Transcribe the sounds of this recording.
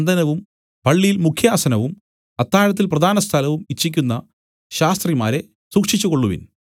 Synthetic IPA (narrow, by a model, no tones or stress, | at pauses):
nd̪ɐnɐʋum | pɐɭːijilmukʰjaːsɐnɐʋum | ɐt̪ːaːɾɐt̪̬ːilprɐd̪ʱaːnɐst̪ʰɐlɐʋumit͡ɕːikʲːunːɐ | ɕaːst̪rimaːɾe̞ | suːkʂit͡ɕːuko̞ɭːuʋḭn